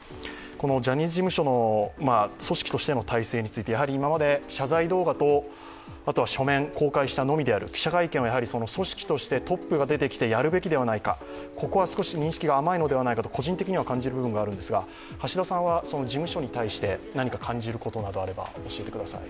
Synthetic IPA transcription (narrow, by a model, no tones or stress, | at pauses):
ko̞no̞d͡ʑaɲ̟ʲizɨʑimɯ̟ɕo̞no̞maso̞ɕi̥kʲi̥t̪o̞ɕi̥t̪e̞no̞t̪aise̞ːɲ̟it͡sɨit̪e̞jaɦaɾʲiːmamad̪e̞ɕazaid̪o̞ːɡat̪o̞ | at̪o̞βaɕo̞mẽ̞ŋko̞ːkaiɕi̥t̪ano̞mʲid̪eaɾɯ̟̰kʲi̥ɕakaikẽβajaɦaɾʲiso̞no̞so̞ɕi̥kʲi̥t̪o̞ɕi̥t̪e̞t̪o̞pːɯ̟ɡad̪e̞t̪e̞kʲi̥t̪e̞jaɾɯ̟be̞kʲid̪e̞βanaika̰ | ko̞ko̞βasɨ̥ko̞ɕiɲ̟ĩɰ̃ɕi̥kʲiɡaːmaino̞d̪e̞β̞anaikat̪̬o̞kʰo̞ʑĩnt̪e̞kʲiɲ̟iβakãɲ̟d͡ʑiɾɯbɯ̟bɯ̟ŋɡaːɾɯ̟nd̪esɨɡa | haɕid̪asãɰ̃βaso̞no̞d͡ʑimɯ̟ɕo̞ɲ̟it̪aiɕi̥t̪e̞naɲ̟ikakʰãɲ̟d͡ʑiɾɯ̟ko̞t̪o̞nad̪o̞aɾe̞ba̰o̞ɕie̞t̪e̞kɯ̟d̪asa̰ḭ